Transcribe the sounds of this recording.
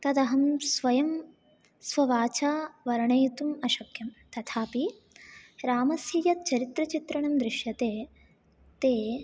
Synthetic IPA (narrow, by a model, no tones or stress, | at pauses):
t̪ɐd̪ɐɦɐmsʋɐjɐm | sʋɐʋaːt͡ʃaːʋɐɾɐɳɐjt̪umɐʃɐkʰjɐmt̪ɐt̪ʰaːpi | ɾaːmɐsjijɐt̪̚t͡ʃɐɾit̪ɾɐt͡ʃit̪ɾɐɳɐmd̪ɾɪʃjɐt̪eː | t̪eː